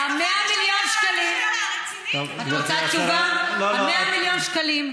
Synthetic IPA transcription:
ameamiljonʃkalim | oaot̪at͡ʃuvaameamiljonʃkalim

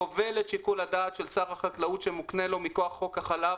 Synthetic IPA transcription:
ove̞letʃikulad̪aːt̪ʃelsaʁaχaklaut̪ʃemukne̞lo̞mikoaχːo̞khaχala

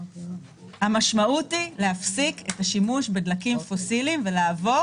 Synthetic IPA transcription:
hamaʃmaʔutile̞hafsiketaʃimuʃbedlakimfo̞silimvelaːvo̞

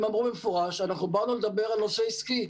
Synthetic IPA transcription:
mamʁubemefoʁaʃanaχnubaʁnuled̪abe̞ʁalnoʃeiski

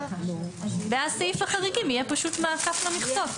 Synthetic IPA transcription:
veasajifaχaʁiɡimijɛpaʃut̪maakaflamiχt͡sot

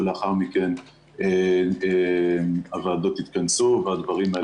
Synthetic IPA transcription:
leaχaʁmiken | e | avaːd̪o̞t̪it̪kansuvead̪vaʁima

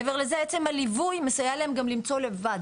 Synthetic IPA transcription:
ve̞ʁlezeet͡semhalivujmesajalaemɡamlimt͡so̞le̞vad

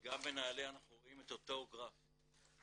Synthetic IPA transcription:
ɡambe̞naːleanaχnuʁo̞ime̞t̪oto̞ɡʁaf

